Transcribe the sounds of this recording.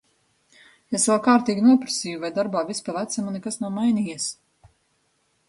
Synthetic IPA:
esvɛlˠkaːɾt̪iːɡʲinuɔpɾasijuvajd̪aɾbaːvispalˠæt̪sɛmunɛkasnawmajnʲijis

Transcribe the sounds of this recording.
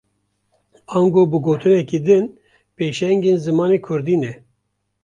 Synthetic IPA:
ɑnɡoːbɨɡoːt̪ɨnɛkiːd̪ɨn | peːʃɛŋɡeːnzɨmɑːneːkʰʊɾd̪iːnɛ

